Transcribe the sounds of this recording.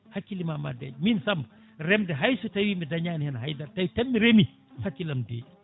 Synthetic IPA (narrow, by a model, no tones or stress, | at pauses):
hakːilimaːma̰dɛ̰ɟminsɐmb | rɛmdɛɦɐjsutɐwiːmɛdɐɲaːnhɛnɦɐjdɐɾtɐwtɛmːiɾemi | hɐkːilɐmdḛː